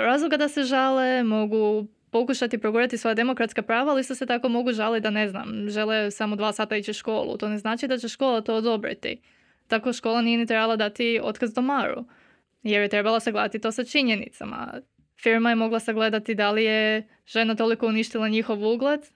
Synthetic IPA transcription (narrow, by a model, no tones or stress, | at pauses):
ɾazlˠoɡad̪ase̞ʒalemo̞ɡu | po̞kuʃat̪ipɾoɡuɾat̪isʋo̞ːjad̪emo̞kɾat̪skapɾaːʋaalist̪oset̪ako̞mo̞ɡuʒalit̪d̪ane̞zna̰mʒe̞lesamod̪ʋaːsaːt̪ait͡ʃiʃko̞ːlˠṵt̪o̞ne̞znaːt͡ʃid̪at͡ɕeʃko̞ːlˠat̪o̞ːod̪o̞bɾḭt̪ḭ | t̪ako̞ʃko̞ːlˠanijenit̪ɾebalˠad̪at̪io̞̰t̪kazd̪omaːɾṵ | jeɾjet̪ɾe̞balˠasaɡle̞d̪at̪it̪o̞ːsat͡ʃiɲenḭt̪sa̰ma̰ | fiɾmajemo̞ɡlˠasaɡle̞d̪at̪id̪alije | ʒ̥e̞nat̪o̞liko̞uniʃt̪ilˠaɲixo̞ʋuɡlˠed̪